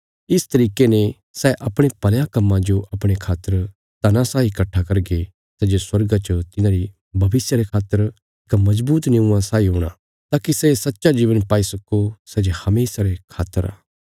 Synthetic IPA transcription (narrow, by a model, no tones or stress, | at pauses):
ɪst̪ɐɾiːkene | sɛʔɐpɽ̃epɐljãkɐmːãd͡ʒoʔɐpɽ̃ekʰaːt̪ːəɾ | t̪ɐnãsaːikɐʈʰːakɐɾɡe | sɛd͡ʒeswɐɾɡat͡ʃɐt̪ɪnãɾi | bʱɐʋɪsjaɾekʰaːt̪ːəɾ | ɪkmɐd͡ʒbuːt̪nẽũãsaːiɦoːɽ̃a̰ | t̪aːkisɛsɐtːʃad͡ʒiːʋənpaːisɐkosɛd͡ʒehɐmeːsaɾekʰaːt̪ːəɾa̰ː